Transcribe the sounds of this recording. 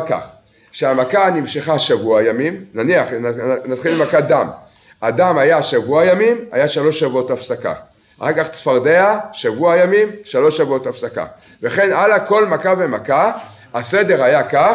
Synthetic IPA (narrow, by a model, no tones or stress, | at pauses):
ka̰χ | ʃeamakanimʃeχaʃavuajamimnaniaχnat̪χilmakad̪am | adamajaʃavuajamima̰jaʃalo̞ʃːavuotafsaka̰ | aχaʁkaχt͡sfaʁdeaʃavuajamimʃalo̞ʃːavuotafsaka̰ | veχe̞nalako̞lmakavemaka | ase̞de̞ʁajaka